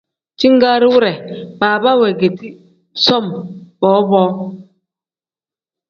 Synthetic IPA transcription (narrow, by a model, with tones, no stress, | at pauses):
t͡ʃi˦ŋ̩˦ɡaː˦ɾi˦wu˦ɾɛ˨baː˨ba˦wɛ˨ɡe˨ti˦ | sɔ˦˨mbɔ˨˦bɔː˦